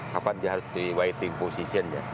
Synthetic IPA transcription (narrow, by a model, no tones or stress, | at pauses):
kapandiaɦaɾusd̪iwait̪iŋposisiand͡ʒa̰